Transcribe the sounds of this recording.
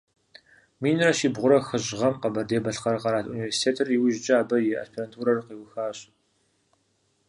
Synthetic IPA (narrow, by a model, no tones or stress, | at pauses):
miːnɨrɐʃiːbʁʷʊɾɐxɨʑʁɐmqɐbɐrdeːbɐɬqɐɾɐqɐɾaːtʰʔṵniveːrsi̥tʰeːtʰɨriwʊʒd͡ʒʼaːbɐjɛʔɐ̰spʰerantʰuːɾɐrqiːwxaːɕʼ